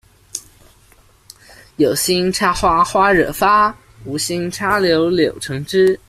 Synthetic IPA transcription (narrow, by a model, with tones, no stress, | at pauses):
jo˨˩ʊɕi˥ŋʈ͡ʂʰa˥xwa˥xwa˥ɻɤ˨˩fa˥ | u˧˥ɕi˥ŋʈ͡ʂʰa˥ljo˧˥ʊljo˨˩ʊʈ͡ʂʰɤ˧˥ŋʈ͡ʂɻ̩˥